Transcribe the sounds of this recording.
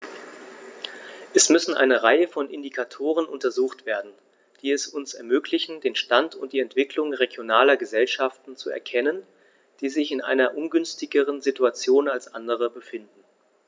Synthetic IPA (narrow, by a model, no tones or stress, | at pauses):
ʔɛsmʏsn̩ʔa̰ɪnəʁaɪəfɔnʔɪndikʰatʰoːʁ̞ənʔʊntɐzuːxtv̥eːɐdn̩ | d̥iːɛsʊnsɛɐmøːklɪçn̩deːnʃtantʊnt̚d̥iːɛntv̥ɪklʊŋʁeɡjonaːlɐɡəzɛlʃaftn̩t͡suɛ̰ɐkʰɛnən | d̥iːzɪçɪnʔa̰ɪnɐʔʊnɡʏnstɪɡəʁ̞ənzituat͡sjoːnalsʔandəʁ̞əbəfɪndn̩